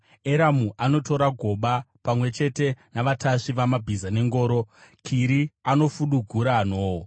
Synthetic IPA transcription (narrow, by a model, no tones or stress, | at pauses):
eɾamuʔano̞to̞ɾaɡʱo̞ɓapamwe̞t͡ʃe̞te̞naʋataʂiʋamabʱizane̞ŋɡo̞ːɾo̞kʰiɾiano̞fuɗuɡʱuɾaːnoːwo